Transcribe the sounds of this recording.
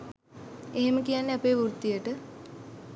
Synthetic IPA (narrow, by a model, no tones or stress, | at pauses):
eɦeməkijanːeapeːʋuɾt̪ːijəʈə